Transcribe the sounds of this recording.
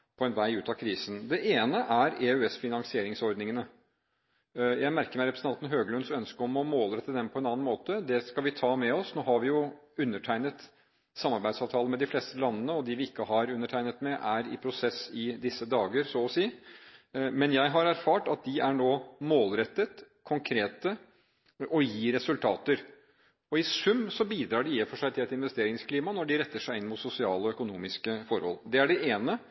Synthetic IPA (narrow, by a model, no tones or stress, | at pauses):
pʰɔɛnʋæɪʉːt̪ɑkʰɾiːsən̩d̪ɛʔeːnəʔæɾeʉɛsfɪnɑŋsɪeːɾɪŋsɔɾd̪nɪŋənə | jæɪmæɾkəɾmæɪɾɛpɾəsn̩ɑnt̪nɦøːɡəlœnd̪sœnskəɾɔmɔmoːləɾɛt̪ːəd̪ɛnpʰɔɛnɑːnnmoːt̪əd̪ɛskɑlʋɪt̪ʰɑːmɛɔsnoːɦɑɾʋɪjʊʉnːəʈʰæɪnət̪ | sɑmːɑɾbæɪd̪sɑːʋt̪ʰɑːləmɛd̪ɪfleːst̪əlɑnːənəɔd̪ɪʋɪɪkːəɦɑɾʉnːəʈʰæɪnət̪mɛʔæɾɪ̰pʰɾʊsɛsɪd̪ɪsːəd̪ɑːɡəɾsɔɔsiː | mɛnjæɪɦɑɾæɾfɑːʈɑt̪̚d̪ɪæɳoːmoːlɾɛt̪ːət̪ | kʰʊŋkʰɾeːt̪ə | ɔjiːɾɛsʉlt̪ʰɑːt̪əɾ | ɔɪsʉmːsɔbiːd̪ɾɑːɖɪiːəfɔʂæɪt̪ʰɪlɛt̪ɪnʋɛst̪eːɾɪŋskʰliːmɑnɔɖɪɾɛt̪ːəʂæɪɪnmʊt̪sʊsɪɑːləɔœkʊnuːmɪskəfɔɾhɔ̰ld̪ɛæɖɛʔeːnə